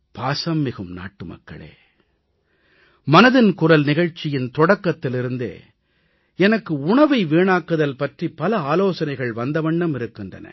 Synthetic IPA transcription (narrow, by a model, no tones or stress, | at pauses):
paːsɐmːɪɣɯmna̰ːʈːɯmɐ̰kːɐ̰ɭḛː | mɐnɐðɪnkʊrɐlnɪɣɐɻt͡ʃːɪjɪnt̪ɔɽɐkːɐt̪ːɪlɪɾɯnd̪ḛː | ɛnɐkːɯʊɳɐʋɐɪʋeːɳaːkːɯðɐlpɐʈripɐlɐaːloːsɐnɐɪɣɐɭʋɐnd̪ɐʋɐɳɖɐmɪɾɯkːɪndrɐ̰nɐ̰